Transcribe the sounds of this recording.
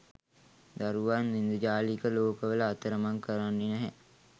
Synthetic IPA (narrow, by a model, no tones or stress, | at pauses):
d̪aɾuʋanʋind̪ud͡ʒaːlikəloːkəʋələːt̪əɾəmaŋkəɾanːinɛɦæ̰